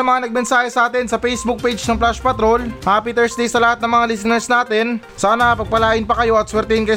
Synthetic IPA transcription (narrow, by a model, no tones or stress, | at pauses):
ɐmɐŋanɐɡ̚mɛnsaːhɛsɐʔaːt̪ɛnsɐpɛjsbʊk̚pejd͡ʒnɐŋplaʃpɐt̪ɾo̞lʔapɪt̪ɛɹsd̪ejsɐlɐhat̪̚nɐŋmɐŋalɪsɪnɛɹsnaːt̪ɛn | saːnɐpɐɡ̚pɐlaːʔɪnpɐkɐjo̞ɐt̪swɛɾt̪ɛhɪnkɐj